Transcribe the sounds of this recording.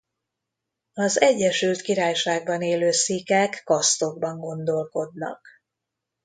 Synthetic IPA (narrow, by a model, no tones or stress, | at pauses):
ɒzɛɟːɛʃylt̪kiɾaːjʃaːɡ̚bɒneːløːsikɛkːɒst̪o̞ɡ̚bɒŋɡo̞nd̪o̞lko̞d̪nɒ̰k̚